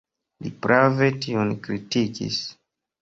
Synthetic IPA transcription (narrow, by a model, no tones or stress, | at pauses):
lḭpɾave̞tionkɾitikḭs